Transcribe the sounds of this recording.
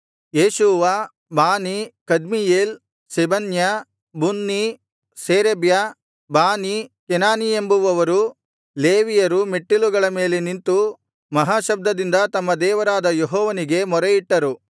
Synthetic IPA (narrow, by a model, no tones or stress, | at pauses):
jeːʃuːʋa | baːnikɐd̪mijeːl | sebɐnjɐ | bunːi | seːɾebja | baːnikɛnaːnie̞mbuʋɐʋɐɾu | leːʋijɐɾumeʈːiluɡɐɭɐmeːle̞nint̪u | mɐɦaːʃɐb̚d̪ɐd̪ind̪ɐt̪ɐmːɐd̪ɛːʋɐɾaːd̪ɐjeɦɔːʋɐniɡe̞mɔɾejiʈːɐɾu